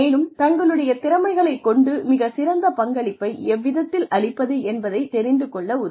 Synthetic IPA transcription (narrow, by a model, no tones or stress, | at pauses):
eːnɯmt̪ɐŋɡɐɭɯɽɐjɐt̪ɪɾɐmɐɪɣɐɭɐɪkːɔɳɖɯmɪɣɐsɪɾɐnd̪ɐpɐŋɡɐɭɪpːɐɪɛʋːɪðɐt̪ːɪlɐɭɪpːɐðɯɛnbɐðɐɪt̪ɛɾɪnd̪ɯkɔɭːɐʊðɐ